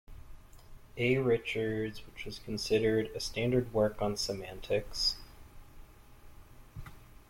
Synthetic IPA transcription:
eɪɹɪt͡ʃə˞dzwət͡ʃwʌz̥kʰn̩sɪɾə˞ɾɨstæ̃ndə˞d̚wɜ˞kn̩səmæ̃ntʰɪks

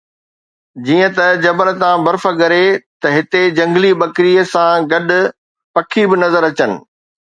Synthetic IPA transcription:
d͡ʑiːə̃t̪ɐd͡ʑɐbəɾə̆t̪ãbɐɾfəɡɐɾet̪ɐɦɪt̪ed͡ʑɐ̃ŋɡlibɐkɾiːəsãɡɐɗʊ̆ | pɐkʰibɪnɐzəɾɐt͡ɕənɪ̰̆

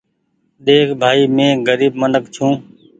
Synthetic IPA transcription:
ɗ̪eːkʰbʱaːiːmẽːɡəɾiːbmənək̚t͡ʃʰũː

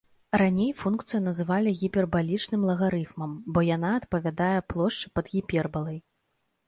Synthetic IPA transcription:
ranʲejfunkt̪sɨjun̪ɐzɨvalʲiɣʲipʲɛrbalʲit͡ʂnɨmlˠɐɣaɾɨfmɐmbɔjanaɐt̪pɐvʲad̪ajɛplˠɔʂt͡ʂɨ̥pɐd̪ɣʲipʲɛrbɐlˠɐj

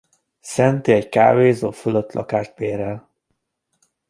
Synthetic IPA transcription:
sɛnt̪iɛcka̰ːveːzoːføløt̪ːlɒ̰kaːʃt̪peːɾɛl

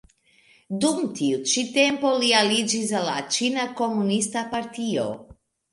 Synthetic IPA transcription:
dumtiut͡ʃite̞mpo̞lialid͡ʒis̬alːat͡ʃinako̞munistapaɾtio̞̰

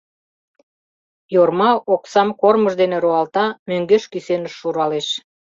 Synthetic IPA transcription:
jormɑʔoksɑmkorməʒd̪eneɾoɑlt̪ɑmøŋɡeʃkysenəʃːuɾɑleʃ

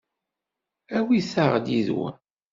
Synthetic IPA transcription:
æwiθaʁd̪iðwæ̰

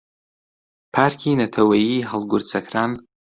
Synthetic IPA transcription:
pʰarkʲiːnatʰawaiħalɡʷʊrt͡sʰakʰran

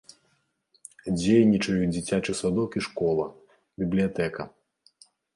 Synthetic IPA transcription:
d͡zʲejnʲit͡ʂɐjud͡zʲit͡sʲat͡ʂɨsad̪ɔkiʂkɔlˠɐ | bʲiblʲijat̪ɛkɐ

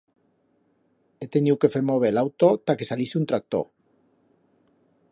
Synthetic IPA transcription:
et̪eniukefemoβelawt̪ot̪akesalisunt̪ɾak̚t̪o̰

